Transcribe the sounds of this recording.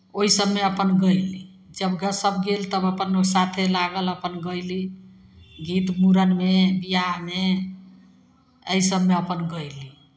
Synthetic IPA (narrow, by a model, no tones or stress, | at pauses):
oɦisəbmeəpənɡəjli | d͡ʒəbɡəsəbʱɡelt̪əbəpənsat̪ʰelaɡələpənɡəjli | ɡit̪muɾənmebijame | əisəbmeəpənɡəjli